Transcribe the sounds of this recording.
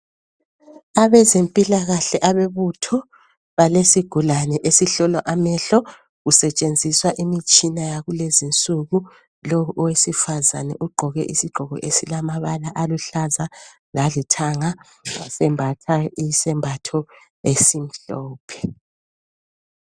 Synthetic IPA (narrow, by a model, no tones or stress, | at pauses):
aβɛzempʼilaɣaɬɛʔaβeβutʰɔ | βalesiɡ̥ʱulanɛʔesiɬɔlɔʔamɛɬɔ | ɣusɛt͡ʃʼend͡zʱiswaʔimit͡ʃʼinajaɣulezint͡sʼuɣu | lɔuʔɔwesifazanɛ̰ʔuɡ͡ǃʱɔɣɛ̰ʔisiɡ͡ǃʱɔɣɔ̰ʔesilamaβalaʔaluɬaza | lalitʰaŋa | asɛmbʱatʰaisɛmbʱatʰɔ | esim̩ɬɔːpʰɛ̥